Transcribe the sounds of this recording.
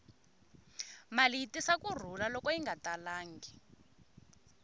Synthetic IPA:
maliitisakur̤ulalɔkɔiŋɡatalaːŋɡi

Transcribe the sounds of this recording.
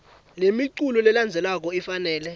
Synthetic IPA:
lemiǀulɔlɛland͡zʱɛlak̬ɔɛfanɛːlɛ

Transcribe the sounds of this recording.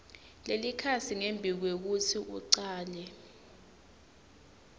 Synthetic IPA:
lelikʰat͡sʰiŋembʱik̬wek̬utʰiʔuǀaːlɛ

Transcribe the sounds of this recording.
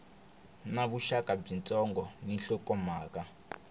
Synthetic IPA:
naβuʃakab͡ʐint͡sʼɔŋɡɔniɬɔkɔmaːka

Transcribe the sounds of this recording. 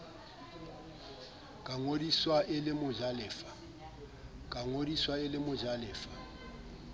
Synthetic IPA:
kʼaŋodiswaʔɪlɪmʊd͡ʒalɛːfḁ | kʼaŋodiswaɪlɪmʊd͡ʒalɛːfḁ

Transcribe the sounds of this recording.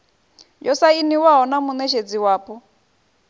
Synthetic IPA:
jɔsainiwaɦɔnamunɛʃed͡ziwaːpʼɔ

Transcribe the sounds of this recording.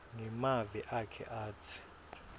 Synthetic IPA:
ŋɛmaviʔakʰɛ̰ʔaːtʰi̥

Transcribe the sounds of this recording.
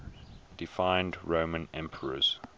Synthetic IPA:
d̥ɪfãɪ̃ndɹõʊmə̃nɛ̃mpʰəɹə̰z̥

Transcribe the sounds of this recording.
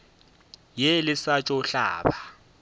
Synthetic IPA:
jelɪsat͡ʃʼɔɬa̰ːba

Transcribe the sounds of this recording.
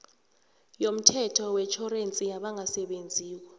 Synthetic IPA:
jom̩tʰɛtʰɔwɛt͡ʃʰɔrent͡sʼijaɓaŋʱasɛɓend͡zʱiːk̬ɔ

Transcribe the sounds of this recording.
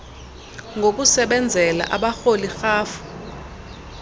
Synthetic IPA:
ŋɡʱok̬usɛɓɛnd͡zʱɛla̰ʔaɓaxolixaːfu̥

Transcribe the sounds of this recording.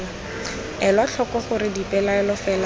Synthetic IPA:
ɛlwat͡ɬʰɔkɔχʊɾɪdipʼɛlaɛlɔfɛla

